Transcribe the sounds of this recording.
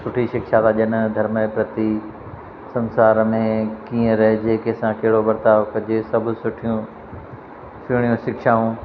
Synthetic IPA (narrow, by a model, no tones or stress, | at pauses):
sʊʈʰiʃɪkʃat̪ʰaʄən̆d̪ʱɐɾməpɾɐt̪i | sɐ̃nsaːɾmẽkĩːə̃ɾɐɦed͡ʑeːkesãkɐɦɪɽobɐɾt̪aːʋkɐd͡ʑesɐbʱʊsʊʈʰijũ | sɪːɽ̃ijũʃɪkʃaːũː